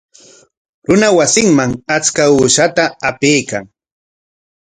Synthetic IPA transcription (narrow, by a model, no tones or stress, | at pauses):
ɾʊnawasɪŋmaŋat͡skauːʃat̪aapejka̰ŋ